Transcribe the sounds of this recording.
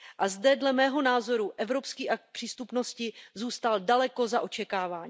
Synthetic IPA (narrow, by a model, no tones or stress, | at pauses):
ʔazdɛdlɛmɛːɦo̞naːzo̞ɾuʔɛvɾo̞pskiːʔak̚t̪̚pr̥iːst̪upno̞scɪzuːst̪aldalɛko̞zaʔo̞t͡ʃɛkaːvaːɲ